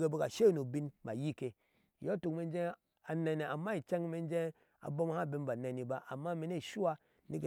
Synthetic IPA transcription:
ɡe˧be˦ka˨ʃe˦nu˨bi˧˦nba˨ji˦ke˨ | jo˦tu˨kme˨˧n˦d͡ʒẽ˦ | a˨ne˧ne˨a˨mːa˦i˨t͡ʃa˦ŋ˦me˧n˦d͡ʒe˦ | a̰˨bo˦m˦ha˦˨bi˧n˦ba˨ne˨ni˨ba˦ʔa˨mːa˦me˨ne˦˨ʃu˦wa˦ | ni˦ke˨

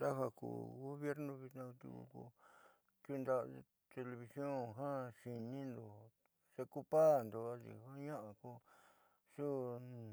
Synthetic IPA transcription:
t̪a˦ɦa˧kṵː˨ɣo˦βje˦ɾnõ˧βi˧t̪nã˧t̪ṵ˧kṵ˧kṵ˧ | t̪u˧˦˧nd̪a˦˧ | t̪e˧le˧βi˧sjõ˦˨ɦã˦ʃi˧nĩ˦nd̪o˨ | se˧ku˦˧pa˦˨nd̪o˧a˧ḭ˨˧ha˦ɲã˦ʔa˨ku˧ | ʂu˦

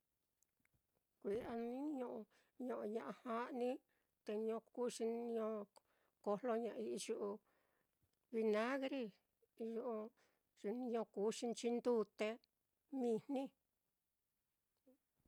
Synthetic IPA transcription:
kʷi˨ʔa˧nĩ˦ɲõ˧ʔõ˧ | ɲõ˧ʔõ˧ɲã˧ʔã˧hã˦ʔnĩ˦ | t̪e˧ɲõ˧ku˦ʂi˧nĩ˧ɲõ˧ | ko˧lo˧ɲã˨˧ʔi˧ʒu˧ʔu˧ | βi˧nã˦ɣɾi˧ | ʒu˧ʔ | ʃi˧ni˧ɲõ˧kuː˨˦ʂi˧nt͡ʃi˧nd̪u˦˧t̪e˧ | mĩ˧nnĩ˦

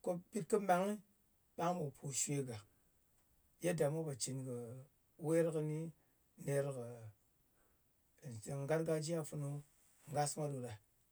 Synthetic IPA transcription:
ko˦pi˦t̚kɨ˦ma˨ŋi˦ | ɓa˦ŋ˦mo˨pʰu˨ʃʷe˦ɡa˨ | je˦da˨mo˦ba˨t͡ʃi˨nkə˨ | we˦ɾkə˧ni˦ | ne˨ɾkə˨ | n˨se˨ŋ˦ɡa˦ɾɡa˦d͡ʒi˦a˦fu˧nu˦ | ŋɡa˦sma˦ɗu˨ɗa˨

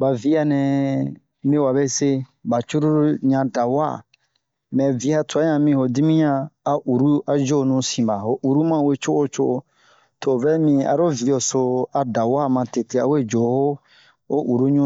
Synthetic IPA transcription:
ba˨vi˦a˨nɛ̃˨ | mĩ˦wa˨be˦se˦ba˨t͡ʃu˦ɾu˦ɾɲã˧da˨wa̰˦˨ | mɛ̃˨vi˨˦a˦tu˨a˨˦ɲã˧mĩ˧ho˨di˦mĩ˦ɲãː˧˨ʔu˨ɾu˦a˨d͡ʒo˦˨nũ˦sĩ˨ba˨ɦo˨ʔu˨ɾu˦mã˦˨we˦t͡ʃo˦o˦t͡ʃo˦ʔo˧ | to˨vɛ˦mĩ˧a̰˨ɾo˦vi˨jo˨so˧a˨da˨wa˦˨mã˧te˨te˨a̰˨we˦˨d͡ʒo˨˦ho˦ | o˦ʔu˨ɾu˦ɲũ˦

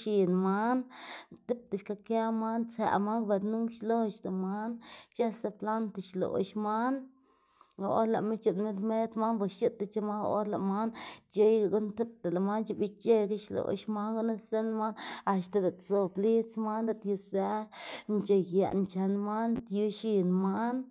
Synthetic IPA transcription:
ʃi˨nma˦nt̪e˦p̚t̪a˨ʃka˧ka˦ma˦nt͡sa̰˨ma˦ŋba˧ɾnu˦ŋkʃlo˦ʃt̪a˨ma˦nt͡ʃa˦sa˧pla˦nt̪a˧˨ʃlo̰˨ʃma˦n˨ | o̰˦la̰˨me˦t͡ʃu˧nme˦d̪me˦t̪ma˦nba˧ʃʃi˦t̪ːa˧t͡ʃa˧ma˦o̰˦ɾla˨ma˦nt͡ʃe˦jɡa˧˨ɡu˦nt̪e˦p̚t̪a˨la˨ma˦nt͡ʃi˧˦bi˦t͡ʃe˦ɡa˦ʃlo̰˨ʃma˦ŋɡu˦na˦se˦nma˦na˧ʃt̪a˨d̪a˨t̪so˨bli˦t͡sma˦nd̪a˨t̪ju˧sa˦nt͡ʃe˧ɡa̰˨ʔnt͡ʃa˨nma˦nt̪ju˧ʃi˧nma˦n

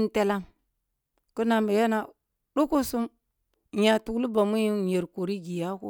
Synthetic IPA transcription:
n˦te˦la˦m | ku˦na˨mbe˨ja˦na˨ | ɗu˦ku˦su˦m | ɲa˨tu˨˦lu˦ba˨mu˦ji˦je˨ɾku˨ɾi˦ɡi˨ja˦kṵ˦

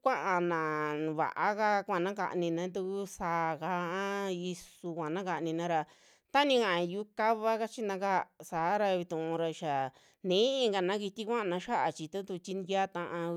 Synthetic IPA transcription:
kʷã˦ʔã˧nã˨βa̰˨ʔa˦ka˧kʷã˦˧˨nã˦ka̰˧ʔnĩ˧nã˧˦d̪̬u˧ku˦saː˧˨ka˧˦ã˦i˧su˧kʷã˨nã˦ka˧ʔnĩ˧nã˦ɾa˧ | t̪a˦nĩ˧kã˧˨ã˨˧ju˧˦ka˦βa˦ka˦t͡ʃi˦nã˧ka˦˧saː˨˦ɾa˧βi˧t̪ũ˨ʔũ˧ɾa˧ʃa˨ | nẽ˨˦ĩ˧ŋɡa˧˨nã˦ki˧t̪i˦kʷã˦ʔã˧nã˧ʃa˦ʔa˧˨t͡ʃi˧t̪u˦t̪u˧t͡ʃi˧nd̪ja˦t̪ã˧ʔã˧

